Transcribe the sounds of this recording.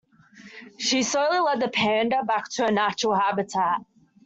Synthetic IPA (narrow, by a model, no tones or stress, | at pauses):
ʃisoʊlˠilɛd̪̚ðəpʰɛ̃ndəbak̚tʰəənat͡ʃəɹəl̩ˠɦabɪtʰæt̚